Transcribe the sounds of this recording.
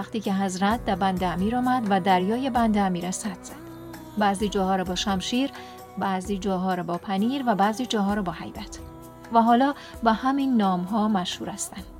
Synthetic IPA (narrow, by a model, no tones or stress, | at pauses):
æχt̪iːcʰeɦæzɾæt̪̚ʰd̪æɾbænd̪eæmiːɾɒːmæd̪væd̪æɾjɒːjebænd̪eæmiːɾæsæt̪z̥æd̪̥ | bæziːd͡ʒɒːhɒːɾɛbɒːʃæmʃiːɾ | bæziːd͡ʒɒːɦɒːɾɒbɒːpʰæniːɾvæbæziːd͡ʒɒːɦɒːɾɒbɒːhæjbæt̪ʰ | væɦɒːlɒː | bɒhæminːɒːmɦɒːmæʃhuːɾæst̪ænd̪̥